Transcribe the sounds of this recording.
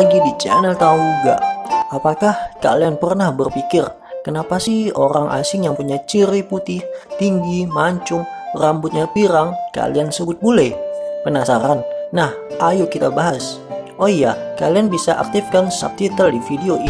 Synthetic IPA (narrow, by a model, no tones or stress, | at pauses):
aɡidit͡ʃɛ̰nɛlt̪auɡa̰ʔapakahka̰lianpərnahbərpikɪr | kənapasihoɾaŋʔa̰sɪŋjaŋpuɲat͡ʃiɾiput̪ɪht̪iŋɡimaɲt͡ʃʊŋrambʊt̪̚ɲapiɾaŋka̰liansəbʊt̪̚bolɛpənasaɾanːah | ʔajʊkit̪abaɦasʔoijakalianbisaʔa̰k̚t̪ɪfkansa̰p̚t̪it̪əldifideo